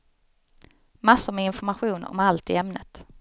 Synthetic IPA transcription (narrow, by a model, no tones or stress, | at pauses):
masːʊɾmɛɪnfɔɾmaɧuːnɔ̰malt̪ɪɛmnə̰t̪